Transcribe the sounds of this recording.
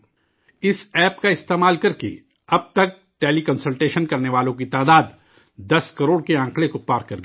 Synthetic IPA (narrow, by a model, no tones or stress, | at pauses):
ɪsɛːpkaɪst̪eːmaːlkɐɾkḛ | ɐb̚t̪ɐk̚ | ʈeːlikɐnsəlʈeːʃənkɐɾneʋaːlõkit̪aːd̪aːd̪ | d̪ɐskɐɾoːɽkeãːŋklekopaːɾkɐɾɡ